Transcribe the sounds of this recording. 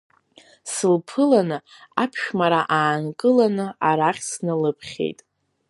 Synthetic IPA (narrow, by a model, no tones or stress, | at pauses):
sɨlpʰɨlanɨapʰʃᶣmaɾaʔaːnkʼɨlanɨaɾaχʲsnɨlɨpʰχʲḛjtʼ